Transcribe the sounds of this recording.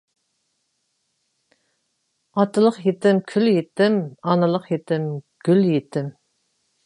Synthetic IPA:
ɑt̪ʰɨlˠəqjet̪ɪmkʲʰyljet̪ɪmɑnɨlˠəqjet̪ʰɪm | ɡ̥ʲyljet̪ʰɪm

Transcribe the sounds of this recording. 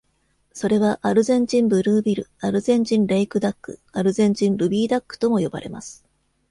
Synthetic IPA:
so̞ɾe̞βaʔaɾɯ̟zẽ̞ɲ̟d͡ʑĩmbɯ̟ɾɯːbʲiɾɯ̟̰aɾɯ̟zẽ̞ɲ̟d͡ʑĩnɾeikɯ̟d̪akːɯ̰aɾɯ̟zẽ̞ɲ̟d͡ʑĩnɾɯ̟bʲiːd̪akːɯ̟̥t̪o̞mo̞jo̞ba̰ɾe̞̰ma̰sɨ̥

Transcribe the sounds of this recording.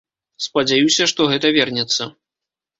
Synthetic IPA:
spɐd͡zʲajusʲɐʂt̪ɔɣɛt̪ɐvʲɛrnʲɛt̪sːɐ

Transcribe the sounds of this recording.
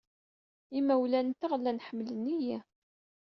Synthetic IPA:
imæwlænt̪aʁlːænħəmːlənːiji

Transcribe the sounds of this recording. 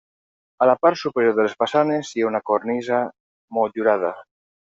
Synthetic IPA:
alapaɾsupeɾjoɾðelespasanesiaunakoɾnisa | moʎuɾað̞a̰

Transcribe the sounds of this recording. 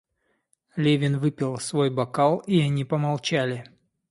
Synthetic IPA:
lʲevʲɪnvɨpʲɪlˠsvo̞jbɐkalˠiɐnʲipəmɐlˠt͡ɕælʲɪ

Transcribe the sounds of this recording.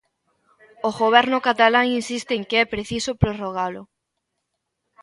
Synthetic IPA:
oɣoβ̞ɛɾnʊkat̪alaŋinsist̪ɪːŋkeɛpɾeθisopɾoroɣ̞alʊ

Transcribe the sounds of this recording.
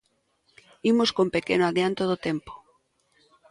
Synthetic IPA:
imoskompekenoaðjant̪oðot̪empo̥

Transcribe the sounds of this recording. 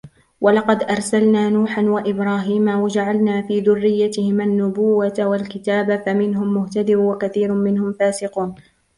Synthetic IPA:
walɑqɑd̪ʔɑɾˤsalnaːnuːħanwaʔɪbɾaːɦiːmawad͡ʒaʕalnaːfiːðʊrːɪjːat̪ɪhɪmʔanːʊbʊwːat̪awalkɪt̪aːbafamɪnɦʊmːʊht̪ad̪ɪɾwakaθiːɾʊmɪnhʊmfaːsɪquːn

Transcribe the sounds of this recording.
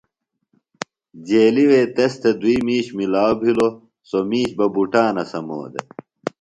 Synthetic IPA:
d͡ʑeːliweːt̪est̪ʰed̪uiːmiːɕmilaːwbʱilo | somiːɕbɐbuʈaːnɐsɐmo̰ːd̪ḛ

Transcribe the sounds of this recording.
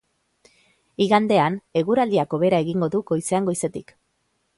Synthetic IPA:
iɣand̪e̞ane̞ɣuɾald̪iako̞βe̞ɾae̞ɣiŋɡo̞ðuɡo̞jse̞aŋɡo̞jse̞t̪ik

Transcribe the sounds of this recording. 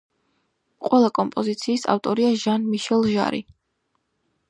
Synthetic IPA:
qʼwɛlˠakʼɔmpʼɔzit̪sʰiːsa̰ft̪ʼɔɾiaʒanmiʃɛlˠʒa̰ɾḭ

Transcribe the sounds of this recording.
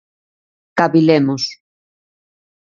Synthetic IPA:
kaβilemos

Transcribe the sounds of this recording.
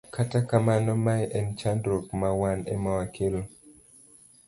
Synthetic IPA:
katakamanɔmajʔɛnt͡ʃandɾokmawanɛ̰mɔwakʰelo

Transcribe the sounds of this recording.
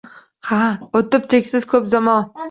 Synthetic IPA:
haot̪ɪp̚t͡ʃʰekʲsɪz̥kʰɵpzamɒn

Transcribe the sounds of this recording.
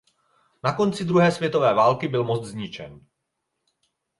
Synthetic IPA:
nako̞nt͡sɪd̪ɾuɦɛːsvjɛt̪o̞vɛːvaːlkɪbɪlmot͡st̪zɲɪt͡ʃɛ̰n

